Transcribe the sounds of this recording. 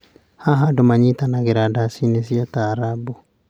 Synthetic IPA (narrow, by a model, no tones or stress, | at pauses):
haɦadomaɲitanaɣeɾadasinesjataɾabɔ